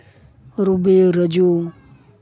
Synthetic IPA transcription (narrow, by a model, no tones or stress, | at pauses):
ɾubeɾəd͡ʒo